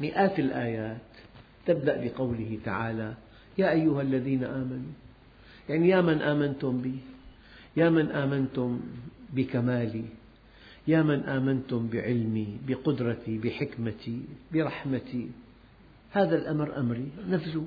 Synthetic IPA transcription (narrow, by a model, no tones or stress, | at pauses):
mɪʔaːt̪ɪlʔaːjaːt̪ː | ɪb̚d̪aʔbɪqɑwlɪɦɪt̪a̰ʕaːla | jaːʔajːʊhʔalːaðiːnaʔaːmanu | jaʕnijaːmanʔaːmant̪ʊmbiː | jaːmanʔaːmant̪ʊmbɪkamaːli | jaːmanʔaːmant̪ʊmbɪʕɪlmibɪqʊd̪ɾˤɑt̪ibɪħɪkmat̪ibɪɾˤɑħmat̪i | haːðalʔamɾʔamɾinafsʊ